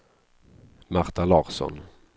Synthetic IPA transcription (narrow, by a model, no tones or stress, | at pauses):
maɾt̪ʰalɑːɾsɔ̰n